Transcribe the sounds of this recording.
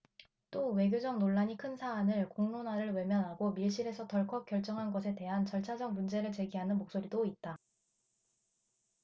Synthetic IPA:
t͈owe̞ɡjod͡ʑʌŋ̚noɭːaɲikʰɯnsʰaːnɯɭkoŋnonaɾɯɭwe̞mjʌnɦaɡomiɭɕ͈iɾe̞sʰʌtʌɭkʰʌk͈jʌɭt͡ɕ͈ʌŋɦanɡʌsʰe̞te̞ɦant͡ɕʌɭt͡ɕʰad͡ʑʌŋ̚mund͡ʑe̞ɾɯɭt͡ɕe̞ɡiɦanɯnmok̚s͈oɾidoit̚t͈a

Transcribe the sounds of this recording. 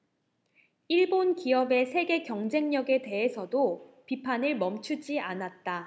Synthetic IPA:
iɭbonkiʌbe̞sʰe̞ɡe̞kjʌŋd͡ʑe̞ŋɲʌɡe̞te̞ɦesʰʌdopipʰanɯɭmʌmt͡ɕʰud͡ʑianat̚t͈a

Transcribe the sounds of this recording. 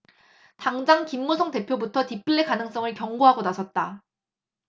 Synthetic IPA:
taŋd͡ʑaŋkimːusʰʌŋte̞pʰjobutʰʌtip͈ɯɭːekanɯŋs͈ʌŋɯɭkjʌŋɡoɦaɡonasʰʌt̚t͈a

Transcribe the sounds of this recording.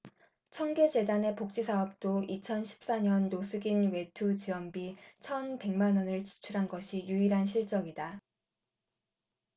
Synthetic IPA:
t͡ɕʰʌŋɡe̞d͡ʑe̞dane̞pok̚t͡ɕ͈isʰaʌp̚t͈oit͡ɕʰʌnɕʰi̥p̚s͈aɲʌnːosʰuɡinwe̞tʰut͡ɕiʌmbit͡ɕʰʌnpe̞ŋmanʌnɯɭt͡ɕi̥t͡ɕʰuɾɦanɡʌɕʰijuiɾɦanɕ̬ʰiɭt͡ɕ͈ʌŋida

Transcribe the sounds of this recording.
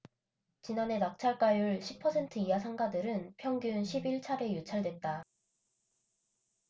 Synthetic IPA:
t͡ɕinane̞nak̚t͡ɕʰaɭk͈ajuɭɕʰi̥pʰʌsʰe̞ntʰɯiasʰaŋɡadɯɾɯnpʰjʌŋɡjunɕʰibiɭt͡ɕʰaɾe̞jut͡ɕʰaɭdwe̞t̚t͈a

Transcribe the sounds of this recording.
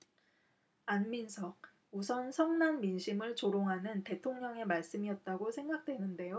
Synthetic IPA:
anminsʰʌɡ̚ | usʰʌnsʰʌŋnanminɕʰimɯɭt͡ɕoɾoŋɦanɯnte̞tʰoŋɲʌŋe̞maɭs͈ɯmiʌt̚t͈aɡosʰe̞ŋɡak̚t͈we̞nɯnde̞jo

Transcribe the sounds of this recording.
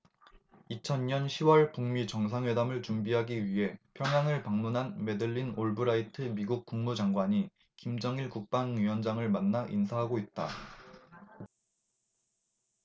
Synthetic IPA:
it͡ɕʰʌnɲʌnɕʰiwʌɭpuŋmit͡ɕʌŋs̬ʰaŋwedamɯɭt͡ɕumbiɦaɡiɥiɦe̞pʰjʌŋɦjaŋɯɭpaŋmunɦanme̞dɯʎːinoɭbɯɾaitʰɯmiɡuk̚k͈uŋmud͡ʑaŋɡwaɲi | kimd͡ʑʌŋiɭkuk̚p͈aŋɥiwʌnd͡ʑaŋɯɭmanːaʔinsʰaɦaɡoit̚t͈a̰

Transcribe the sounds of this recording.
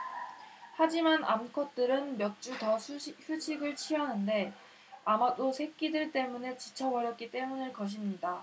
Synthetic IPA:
had͡ʑimanamkʰʌt̚t͈ɯɾɯnmjʌt̚t͡ɕ͈utʌɕʰut͡ɕʰiɡɯɭt͡ɕʰianɯnde̞ | amad͈osʰe̞k͈idɯɭt͈e̞mune̞t͡ɕit͡ɕʰawʌɾjʌt̚k͈it͈e̞munɯɭkʌɕ̬ʰimɲida

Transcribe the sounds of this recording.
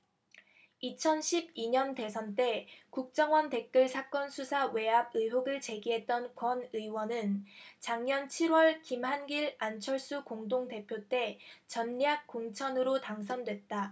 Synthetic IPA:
it͡ɕʰʌnɕʰib̚iɲʌnte̞s̬ʰʌnt͈e̞kuk̚t͡ɕ͈ʌŋwʌnte̞k̚k͈ɯɭsʰak͈ʌnsʰusʰawe̞ab̚ɯjɦoɡɯɭt͡ɕe̞ɡiɦe̞t̚t͈ʌnkwʌnɯiwʌnɯnt͡ɕaŋɲʌnt͡ɕʰiɾwʌɭkimɦanɡiɾant͡ɕʰʌɭs͈ukoŋdoŋte̞pʰjot͈e̞t͡ɕʌnːjak̚k͈oŋt͡ɕʰʌnɯɾotaŋs̬ʰʌndwe̞t̚t͈a

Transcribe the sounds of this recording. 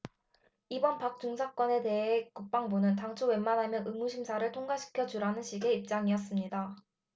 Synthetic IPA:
ibʌnpak̚t͡ɕ͈uŋsʰak͈wʌne̞te̞ɦek͈uk̚p͈aŋbunɯntaŋt͡ɕʰuwe̞nmanɦamjʌnʔɯŋmuɕʰimsʰaɾɯɭtʰoŋɡaɕʰi̥kʰjʌd͡ʑuɾanɯnɕʰiɡe̞ip̚t͡ɕ͈aŋiʌs̬͈ɯmɲida

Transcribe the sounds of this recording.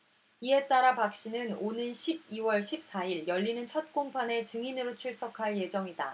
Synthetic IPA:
ie̞t͈aɾapak̚ɕ͈inɯnonɯnɕʰib̚iwʌɭɕʰip̚s͈aiɭjʌʎːinɯnt͡ɕʰʌt̚k͈oŋpʰane̞t͡ɕɯŋinɯɾot͡ɕʰuɭs͈ʌkʰaɭje̞d͡ʑʌŋida

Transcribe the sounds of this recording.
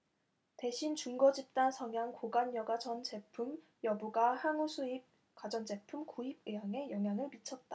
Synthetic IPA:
te̞ɕʰint͡ɕuŋɡʌd͡ʑip̚t͈ansʰʌŋjaŋkoɡanjʌɡad͡ʑʌnt͡ɕe̞pʰum | jʌbuɡahaŋusʰuip̚ | kwad͡ʑʌnd͡ʑe̞pʰumkuib̚ɯɦaŋe̞jʌŋɦjaŋɯɭmit͡ɕʰʌt̚t͈a

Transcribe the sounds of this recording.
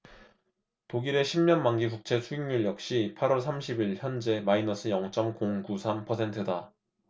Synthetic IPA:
toɡiɾe̞ɕʰimɲʌnmaŋɡikuk̚t͡ɕʰe̞sʰuiŋɲiɭjʌk̚ɕ͈ipʰaɾwʌɭsʰamɕʰibiɭçjʌnd͡ʑe̞mainʌsʰɯjʌŋt͡ɕ͈ʌmkoŋkusʰampʰʌsʰe̞ntʰɯda

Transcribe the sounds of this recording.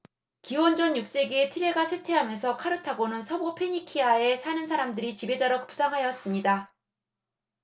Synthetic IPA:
kiwʌnd͡ʑʌnjuk̚s͈e̞ɡietʰiɾe̞ɡasʰetʰe̞ɦamjʌnsʰʌkʰaɾɯtʰaɡonɯnsʰʌbopʰeɲikʰiae̞sʰanɯns̬ʰaɾamdɯɾit͡ɕibe̞d͡ʑaɾʌkɯ̥p̚s͈aŋɦajʌs͈ɯmɲida

